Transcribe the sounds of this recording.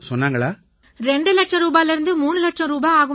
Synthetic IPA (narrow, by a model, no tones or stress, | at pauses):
sɔnːaːŋɡɐɭaː | ɾɛɳɖɯlɐʈʂɐ̃ɾuːbaːjɪlɪɾɯnd̪ɯmuːɳɯlɐʈʂɐ̃ɾuːbaːaːɣɯ